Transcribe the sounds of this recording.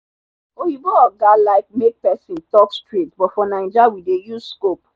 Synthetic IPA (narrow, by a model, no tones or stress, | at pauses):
ojibɔɔɡalaɪk̚mek̚pɛsĩntɔkstɹitbɔtfɔnãɪ̃nd͡ʒawidejuzskop̚